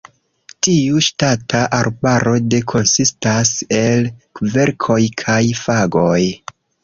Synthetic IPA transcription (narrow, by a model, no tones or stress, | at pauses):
tiuʃtatʰaʔaɾbaɾo̞de̞kʰo̞nsistase̞lve̞ɾkʰo̞jkʰajfaɡo̞j